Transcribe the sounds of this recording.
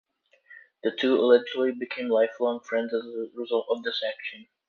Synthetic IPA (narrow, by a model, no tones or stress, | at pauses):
ðɨtʰʉɪlɛd͡ʒɹl̩ˠibɨkʰẽɪ̃mlaɪflɔ̃ŋfɹɛ̃ndzəzðəɹɨzʌlˠtʌvðɪsækʃɨ̃n